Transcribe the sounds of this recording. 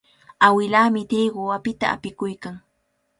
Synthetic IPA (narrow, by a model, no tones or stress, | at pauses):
awɪlaːmɪt̪ɪɢʊwapɪt̪a̰a̰pɪkʊjkaŋ